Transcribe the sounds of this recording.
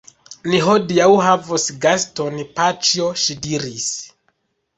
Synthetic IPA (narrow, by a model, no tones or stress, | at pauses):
niɦodiawɦavosɡastonpat͡ʃioʃidiɾis